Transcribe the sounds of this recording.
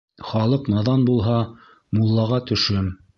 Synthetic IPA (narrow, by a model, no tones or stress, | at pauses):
χɑlˠɤqnɑðɑnbulˠɦɑ | mulˠːɑʁɑt̪ɵ̆ʃɵm